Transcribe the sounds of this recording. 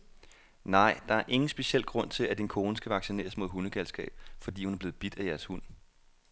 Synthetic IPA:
nɑ̈ɪ̰d̥ɑ̈æɐʔe̝ŋn̩sb̥e̝ɕiel̰ɡ̥ʁɔ̽n̰t͡sʰe̝læd̥inkʰo̝ːnəsɡ̥æʋɑ̈ɡ̥sine̝̰ːɐsmo̝ðˠɦunəɡ̥ælsɡ̥ɛ̰ːb̥fɒ̽d̥ḭːhunæɐb̥le̝ːð̩ˠb̥id̥æjæɐshun̰

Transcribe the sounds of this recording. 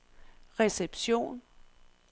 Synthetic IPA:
ʁɛseb̥ɕo̝̰ːn

